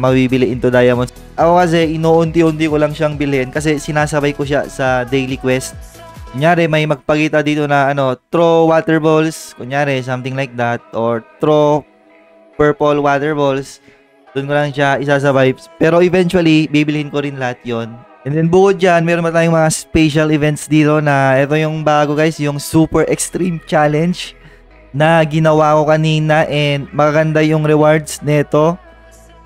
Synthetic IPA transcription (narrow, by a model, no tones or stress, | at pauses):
mɐbibɪlɪʔɪnt̪ʊd̪ajɐmon | ʔɐkokɐs̬ɛʔɪnoːʔʊnt̪ɪʔʊnt̪ɪko̞lɐŋʃaŋbɪlɛnkɐs̬ɛsɪnaːsɐbajkoʃa̰sɐd̪ɛjlikwɛst̪̚ | kʊŋjaːɾɛmɐjmɐɡ̚pɐkiːt̪ɐd̪iːt̪o̞nɐʔɐno̞t̪ɾowaːt̪ɛɹbolskʊŋjaːɾɛs̬ɐmt̪ɪŋlajk̚d̪at̪̚ʔoɹt̪ɾo | pɛɹpolwaːt̪ɛɹbols | d̪̥ʊnkolɐŋʃaɪsaːs̬ɐbajbspɛːɾo̞ʔɛvɛnt͡ʃwɐlibiːbɪlɪhɪnko̞ɾɪnlɐhat̪̚jonʔɛnd̪ɛnbʊkʊd̪̚d͡ʒanmɛːɾonpɐt̪aːjʊŋmɐŋaspɛʃɐlɪvɛnt̪sd̪iːt̪o̞nɐʔɛt̪o̞jʊŋbaːɡo̞ɡajsjʊŋsuːpɛɹʔɛkst̪ɾimt͡ʃalɛnd͡ʒ | nɐɡɪnɐwako̞kɐniːnɐʔɛd̪̚mɐkɐɡɐnd̪ajʊŋɾɛwaɹd̪snɛt̪o̞